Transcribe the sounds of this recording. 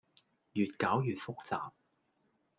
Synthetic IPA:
jyː˨t̚kaː˨˥wjyː˨t̚fʊ˥k̚t͡sa̰ː˨p̚

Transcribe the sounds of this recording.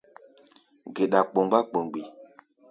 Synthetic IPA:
ɡe˨ɗa˨k͡po˨ŋɡ͡ba˦k͡pə˨ŋɡ͡bi˨

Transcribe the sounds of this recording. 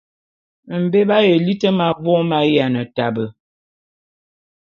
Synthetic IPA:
m̩˨be˦ba˦je˨li˦tə˦ma˨vɔ˦ma˦ja˨nə˨ta˨bə˨

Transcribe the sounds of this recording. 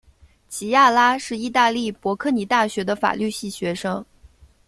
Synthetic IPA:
t͡ɕʰi˧˥ja˥˩la˥ʂɻ̩˥˧i˥˧t̪a˥˧li˥˩pwɔ˧˥kʰɤ˥˩ni˨˧˥t̪a˥˩ɕɥɛ˧˥d̪ə˧fa̰˨˩ly˥˧ɕi˥˩ɕɥɛ˧˥ʂɤ˥ŋ

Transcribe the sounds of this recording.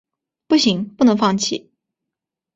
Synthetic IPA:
pu˥˩ɕi˧˥ŋpu˥˩nɤ˧˥ŋfɑ˥˩ŋt͡ɕʰi˥˩

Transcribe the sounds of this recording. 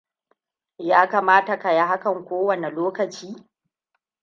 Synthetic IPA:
jaː˦kaː˨maː˦ta˨ka˨ja˦ɦa˦kɐ˨ŋkʷoː˦wɐ˨ne˨loː˦kɐ˨t͡ʃiː˦

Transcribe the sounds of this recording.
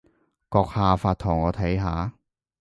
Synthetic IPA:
kɔː˧k̚haː˧faː˧t̚t̪ʰʊ˨˩ŋɔː˨˧t̪ʰɐ˨˥jɦaː˨˥

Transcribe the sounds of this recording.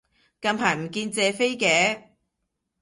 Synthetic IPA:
kɐ˧npʰaː˨˩jm̩˨˩kiː˧nt͡sɛː˨˧fe˥jkɛː˨˥

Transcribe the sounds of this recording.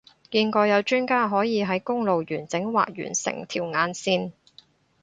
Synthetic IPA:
kiː˧nkɔː˧jɐ˨˧wt͡ʃyː˥nkaː˥ɦɔː˨˥jiː˨˧ɦɐ˨˥jkʊ˥ŋlo˨wjyː˨˩nt͡sɪ˨˥ŋwa̰ː˨k̚jy̰ː˨˩nsɪ̰˨˩ŋt̪ʰḭː˨˩wŋaː˨˧nsiː˥n

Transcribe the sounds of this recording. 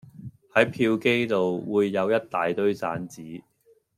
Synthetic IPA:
hɐ˨˥jpʰiː˧wke˥jt̪o˨wwuː˨˧jːɐ˨˧wjɐ˥t̚t̪aː˨jt̪ɵ˥ɥsa̰ː˨˥nt͡siː˨˥

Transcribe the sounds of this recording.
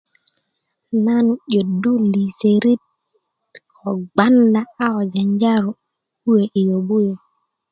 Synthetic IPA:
na˦nu˨ɟo˨du˦li˨se˨ɾi˦t | o˨ɡ͡ba˦nda˦a˦o˨d͡ʒa˨ɲd͡ʒa˦ɾu˨ | u˦we˨ʔi˨jo˨bu˦jo˨

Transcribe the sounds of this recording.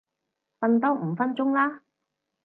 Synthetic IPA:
fɐ˧nt̪ɔː˥m̩˨˧˥fɐ˥nt͡sʊ˥ŋlaː˥

